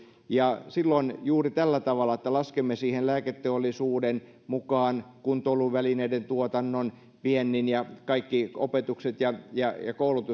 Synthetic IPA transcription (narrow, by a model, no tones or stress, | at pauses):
jɑsilːonjuːrit̪ælːæt̪ɑʋɑlːˑɑĕt̪ːælɑskemːesiːhenlæːket̪ːeolːisuːden | mukɑːnkunt̪oluʋʋælineident̪uot̪ɑnːon | pienːinjɑkɑikːio̰pet̪ukset̪jɑjɑjɑ̰koulut̪u